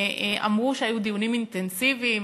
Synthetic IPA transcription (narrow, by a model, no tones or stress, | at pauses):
ʔeʔa̰mʁuʃehajud̪ijunimint̪ensivim